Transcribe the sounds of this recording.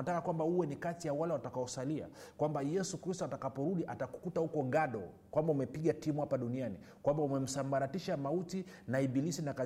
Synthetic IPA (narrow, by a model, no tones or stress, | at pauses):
atakakwambahuwɛnikatijawalɛwatakaɔsalia̰kwambajɛsukɾistɔatakapɔɾuɗiʔataku̥kutahukɔɠaɗɔ̰ | kwambaumɛpiɠatimuhapaɗuniani | kwambaumɛm̩sambaɾatiʃamautinaiɓilisinaka